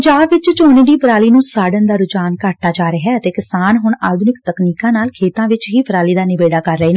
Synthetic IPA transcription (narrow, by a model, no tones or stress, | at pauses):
d͡ʒaːbʋɪt͡ʃt͡ʃoːneːd̪iːpɾaːliːnũːsaːɖənd̪aːɾʊd͡ʒaːnkaʈ̚t̪aːd͡ʒaːɾəɦɛːət̪eːkɪsaːnɦʊɳaːd̪ʱʊnɪkt̪əkniːkãːnaːlkʰeːt̪ãːʋɪt͡ʃɦiːpəɾaːliːd̪aːnɪʋeːɖaːkəɾːəeːnã